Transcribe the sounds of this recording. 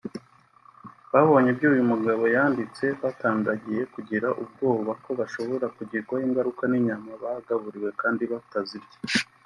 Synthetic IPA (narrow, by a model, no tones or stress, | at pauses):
βaβo̞ɲebɟuːjumuɡaβo̞jaːndit͡se̞βataːŋɡaɟije̞kuɟiɾaʔub̚ɡo̞ːβako̞βaʃo̞βo̞ɾakuɟiɾɡwajiːŋɡaɾukaniɲamaβaɡaβuɾiwe̞kaːndiβatazibɟe̥